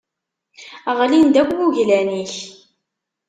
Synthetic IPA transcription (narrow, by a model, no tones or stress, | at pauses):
ʁlind̪ækʷːuʝlæniç